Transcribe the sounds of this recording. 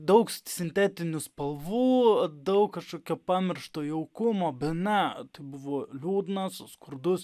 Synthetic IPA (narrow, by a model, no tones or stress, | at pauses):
d̪ɐʊksʲɪnʲt̪ʲæːt̪ʲɪnʲʊspɐlˠʋuːd̪ɐʊkkɐʃkoːkʲɛpɑːmʲɛrʃt̪oːjɛʊkʊmoːbʲɛt̪nʲɛt̪ɐɪbʊʋoːlʲuːd̪nɐsskʊɾd̪ʊs